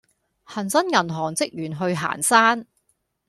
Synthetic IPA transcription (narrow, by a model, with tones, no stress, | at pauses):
hɐ˨˩nsɐ˥njɐ˨˩nɦɔː˨˩ŋt͡sɪ˥k̚jyː˨˩nɦɵ˧ɥɦa̰ː˨˩nsaː˥n